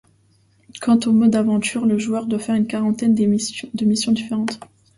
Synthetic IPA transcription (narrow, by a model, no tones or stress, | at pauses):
kɑ̃t̪omɔd̪avɑ̃t̪yʁləʒuœʁd̪wafɛʁynkaʁɑ̃t̪ɛnd̪əmisjɔ̃d̪ifeʁɑ̃t̪